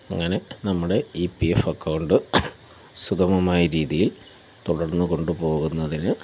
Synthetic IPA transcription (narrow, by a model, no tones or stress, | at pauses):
ɐŋːɐne̞nɐmːuɽe̞ipiefɐkːɐwɳɖɨ | sukɐmɐmaːjɐɾiːðijil | t̪uɽɐrnːuɣo̞ɳɖupo̞ːɣunːɐðinɨ